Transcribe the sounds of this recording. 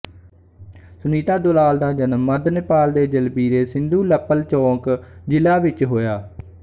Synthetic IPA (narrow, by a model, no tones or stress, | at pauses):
sʊniːt̪aːd̪ʊlaːld̪aːd͡ʒənəmːəd̪nɪpaːld̪eːd͡ʒəlbiːɾeːsɪnd̪uːləpːəlt͡ʃɔ̃ːkd͡ʒɪlaːʋɪt͡ʃɦoːjaː